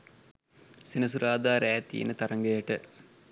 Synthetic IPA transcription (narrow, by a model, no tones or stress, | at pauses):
sinɐs̬uɾʔaːd̪aːɾaːt̪ḭjḛnət̪ɐɾɐŋɡɐjəʈə